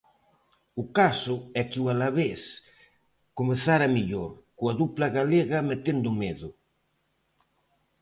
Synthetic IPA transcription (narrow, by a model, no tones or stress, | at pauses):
ʊkasʊɛkɪwalaβes | komeθaɾɐmiʎoɾkʊaðuplɐɣaleɣɐmet̪end̪ʊmeðʊ